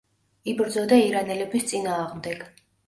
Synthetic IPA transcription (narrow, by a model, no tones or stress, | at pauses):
ibɾd̪zɔd̪aiɾanɛlɛbist̪sʼinaːʁmd̪ɛɡ̥